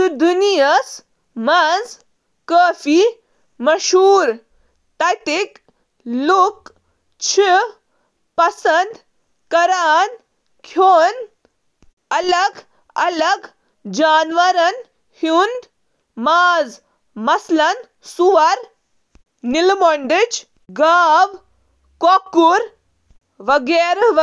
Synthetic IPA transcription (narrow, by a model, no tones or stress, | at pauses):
d̪unijɐs | mɐz | kəːfi | mɐʃuːɾ | t̪ɐt̪ik | luk | t͡ʃʰi | pɐsɐnd̪ | kɐɾaːn | kʰoːn | ɐlɐɡ | ɐlɐɡ | d͡ʒaːnʋɐɾɐn | hund̪ | maːz | mɐslɐn | suʋɐɾ | nilmoɳɖid͡ʒ | ɡaːʋ | kokːuɾ | ʋɐɡeːɾʋ